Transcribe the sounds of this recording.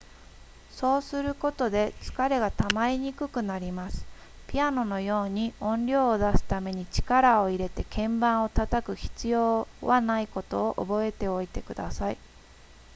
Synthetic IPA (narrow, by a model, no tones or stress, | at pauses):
so̞ːsɨɾɯ̟ko̞t̪o̞d̪e̞t͡sɨ̥kaɾe̞ɡat̪amaiɲ̟ikɯ̟kɯ̟naɾʲimasɨ̥ | pʲiano̞no̞jo̞ːɲ̟iõ̞nɾʲo̞ːd̪asɨ̥t̪ame̞ɲ̟it͡ɕi̥kaɾao̞iɾe̞t̪e̞kʰẽ̞mbãɰ̃o̞t̪at̪akɯ̟çi̥t͡sɨjo̞ːβanaiko̞t̪o̞̰ːʔo̰bo̞e̞t̪e̞o̞it̪e̞kɯ̟d̪asai